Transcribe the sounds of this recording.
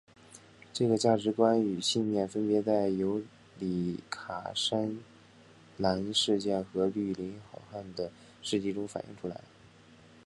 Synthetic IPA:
ʈ͡ʂɤ˥˩ɡə˩t͡ɕja˥˩ʈ͡ʂɻ̩˧˥kwa˥ny˨˩ɕi˥˧nmjɛ˥˩nfə˥npjɛ˧˥t͡sa˥˩ɪjo˧˥ʊ | li˨˩kʰa̰˨˩ʂa˥n | la˧˥ni˥ʂɻ̩˥˧t͡ɕjɛ˥˩nxɤ˧˥ly˥˩li˧˥nxɑ˨˩ʊxa˥˩nd̪ə˩ | ʂɻ̩˥˧t͡ɕi˥˩ʈ͡ʂʊ˥ŋfa˨˩nʔḭ˥˧ŋʈ͡ʂʰu˥la̰˧˥ɪ

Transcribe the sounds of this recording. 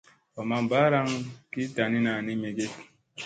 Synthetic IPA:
ɔ˨ma˨m˨ba˦ɾa˦ŋki˦ta˨ni˦na˨ni˦me˨ɡe˦t

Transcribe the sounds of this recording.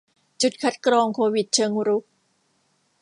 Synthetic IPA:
t͡ɕu˨˩t̪̚kʰa˦˥t̪̚kɾɔː˧ŋkʰoː˧wi˨˩t̪̚t͡ɕʰɤː˧ŋɾu˦˥k̚

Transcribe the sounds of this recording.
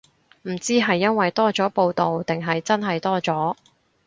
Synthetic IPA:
m̩˨˩t͡siː˥ɦɐ˨jːɐ˥nwɐ˨jt̪ɔː˥t͡sɔː˨˥po˧wt̪o˨wt̪ɪ˨ŋɦɐ˨jt͡sɐ˥nɦɐ˨jt̪ɔː˥t͡sɔː˨˥

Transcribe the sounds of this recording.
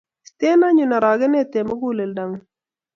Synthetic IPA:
si̥˨te˦na˦ɲu˨na˨ɾa˨ɡə˦ne˦te˨mə˦ɡu˦˨le˨lda˨ŋ

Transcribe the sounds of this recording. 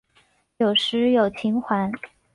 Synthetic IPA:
jo˨˩ʊʂɻ̩˧˥jo˨˩ʊt͡ɕʰi˧˥ŋxwa˧˥n

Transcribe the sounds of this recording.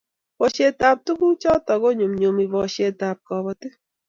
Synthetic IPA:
bɔ˨ʃe˨ta˨p̚tu˦ku˦t͡ʃɔ˦tɔ˨ɡo˦ɲo˨mɲo˨mi˨bɔ˨ʃe˨ta˨p̚kɔ˨bɔ˨tɪ˦

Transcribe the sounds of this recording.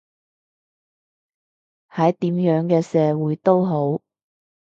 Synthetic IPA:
hɐ˨˥jt̪iː˨˥mjœː˨˥ŋkɛː˧sɛː˨˧wuː˨˥jt̪o˥wɦo˨˥w

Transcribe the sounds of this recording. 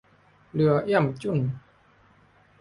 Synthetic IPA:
lɯ˨˩˦ɐʔi˥˩˨mt͡ɕu˥˩˨n

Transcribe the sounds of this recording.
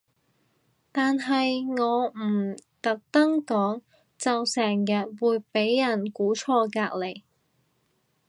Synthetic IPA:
t̪aː˨nɦɐ˨jŋɔː˨˧m̩˨˩t̪ɐ˨k̚t̪ɐ˥ŋkɔː˨˥ŋ | t͡sɐ˨wsɛː˨˩ŋjɐ˨t̚wuː˨˧jpe˨˥jːɐ˨˩nkuː˨˥t͡sʰɔː˧kaː˧k̚le˨˩j

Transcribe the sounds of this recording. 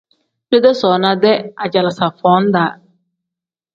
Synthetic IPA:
be˦dɛ˦sɔː˨nã˦dɛ˦a˨d͡ʑa˨la˨sa˨fɔ˨˦n̩˦daː˨˦

